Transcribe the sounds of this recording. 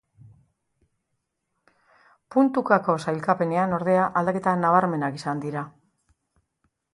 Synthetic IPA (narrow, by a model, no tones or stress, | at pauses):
punt̪ukako̞sajlkape̞ne̞ano̞ɾðe̞aʔald̪ake̞t̪anaβaɾme̞nakisand̪iɾa